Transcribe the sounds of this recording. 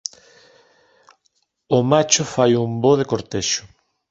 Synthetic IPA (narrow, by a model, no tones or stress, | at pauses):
omat͡ʃʊfajumboðekoɾt̪eʃʊ̥